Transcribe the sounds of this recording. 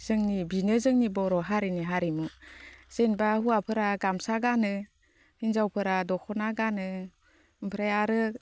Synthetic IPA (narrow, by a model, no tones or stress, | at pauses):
z̥ɯŋnibinɯzɯŋnibɔɾɔɦaɾiniɦaɾimuz̥enbahuwapʰɯɾaɡamsaɡanɯ | hinzawpʰɯɾadɔkʰɔnaɡanɯ | mpʰɾajaɾɯ